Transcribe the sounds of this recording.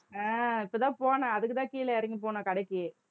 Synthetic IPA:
ãːɪpːɐt̪ãːpoːnaɐðɯkːɯt̪ãːkiːlɐɐɾɪŋɡip̬oːnɐ̃kɐɽɐkːɯ

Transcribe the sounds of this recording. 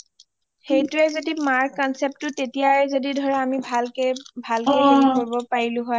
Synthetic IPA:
xejtʊɛzodimaɹkkɔnsep̚tʊtetijaɛzodidʱɔɹɛamibʱalbʱalkebɔnkoɹibɔpaɹilʊ̃ɦɔj

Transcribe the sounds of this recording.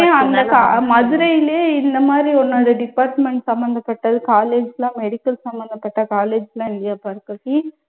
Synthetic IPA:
eɐnd̪ɐkamɐðɯɾɐjɪleːɪnd̪ɐmaːd̪ɾiɔnːoːɽɐɖɪpːaːɾʈmɛɳʈsɐmbɐnd̪ɐpːɐʈːɐðɯkaːleːd͡ʒlãːmɛɽɪkːɐlsɐmbɐnd̪ɐpːɐʈːɐkaːleːd͡ʒlãːɪlːɐjaːpaːɾɯkːɐʈi

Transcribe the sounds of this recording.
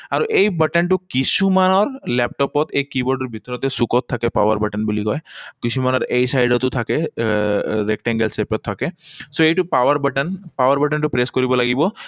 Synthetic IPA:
aɾuʔejbəʈenʈukisʰumanɔɾlɛp̚ʈɔpɔt̪ekibɔɾɖɔɾbʱit̪ɔɾɔt̪esukɔt̪ʰːakepa̰wa̰ɾbəʈenbuliɡɔekisʰumanɔɾejsajɖɔt̪ut̪ʰake | ɾekʈeŋɡelsepɔt̪ʰːakesoejʈupawaɾbəʈenpawaɾbəʈenʈupɾeskɔɾibɔlaɡibɔ

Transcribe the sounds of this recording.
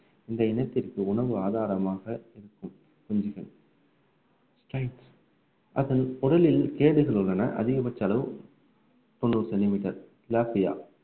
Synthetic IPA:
ɪnd̪ɐɪnɐt̪ːɪrkɯʊɳɐʋɯaːðaːɾɐmaːɣɐɪɾɯkːɯm | kʊɲd͡ʒɪɣɐn | sʈɾɐɪʈs | ʔɐðɐnʊɽɐlɪlkeːɽɯɣɐɭɯɭːɐnɐʔɐ̰ðɪɣɐmɐt͡ʃːɐlɐʋ | p̪ɔɳːɯɾsɛnɪmɪʈːɐɾ | laːfɪja̰ː

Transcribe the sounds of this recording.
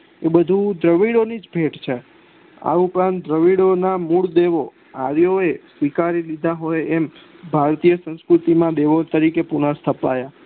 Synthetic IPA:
ebəd̪ʱud̪ɾəʋiɽonid͡ʒbʱeʈt͡ʃʰe | a̰upɾãnt̪d̪ɾəʋiɽonamuɭd̪eʋo | a̰ɾjoesʋikaɾilid̪ʱaɦojem | bʱaɾt̪ijəsə̃nskɾut̪imãd̪eʋot̪əɾikepunast̪ʰəpa̰ja

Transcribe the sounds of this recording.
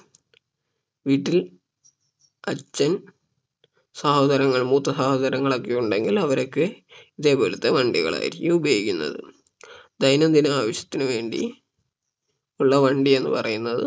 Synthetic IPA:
ʋiːʈːil | ɐt͡ɕːɐn | sɐhoːd̪ɐɾɐŋːɐɭmuːt̪ːɐsahod̪ɐɾɐŋːɐɭokːejuɳɖe̞ŋɡilɐʋɐɾo̞kːɨiðe̞ːpo̞ːlɐt̪ːeʋɐɳɖiɣɐ̰ɭa̰ːjḭɾikʲːuubɐjoikʲːunːɐ̰ðɨ̰ | d̪ɐjnɐmd̪inɨaːʋɐɕjɐ̥t̪ːinɨʋe̞ːɳɖḭ | uɭːɐʋɐɳɖie̞nːɨ̰pɐrɐjunːɐðɨ̰

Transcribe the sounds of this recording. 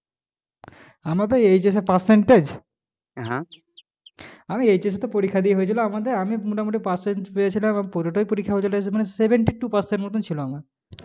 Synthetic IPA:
amad̪eejd͡ʑes̬epaɾseɳʈed͡ʑ | ɦã | amiejd͡ʑes̬et̪opoɾikʰːad̪ieɦoet͡ɕʰiloamad̪eɾamimoʈʰamoʈ̬ipaseɳʈpejet͡ɕʰilamamipoɾoʈoipoɾikʰːaɦoet͡ɕʰiloesemanesebʱeɳʈiʈupaɾseɳʈmot̪ʰːont͡ɕʰiloama

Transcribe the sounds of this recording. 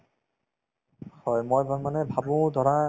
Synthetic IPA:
hɔjmɔjbamanɛbʱabũd̪ʱɔɹa

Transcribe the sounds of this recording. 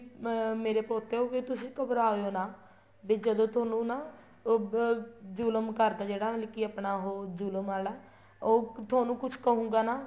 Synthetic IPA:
meːɾeːpoːt̪eːoːkɪt̪ʊsĩːkəbɾaːojoːnaː | bɪːd͡ʒəd̪õːt̪ʰoːnũːnaː | d͡ʒuːləmkəɾd̪aːd͡ʒeːɽaːmɪlɪkiːəpnaːɦoːd͡ʒuːləmaːlaː | oːt̪ʰaːnũːkʊt͡ʃʰkəɦũːɡaːnaː

